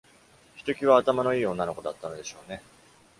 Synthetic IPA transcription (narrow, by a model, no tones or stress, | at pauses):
çi̥t̪o̞kʲiβaːt̪amano̞iːõ̞nːano̞ko̞d̪at̪ːano̞d̪e̞ɕo̞ːne̞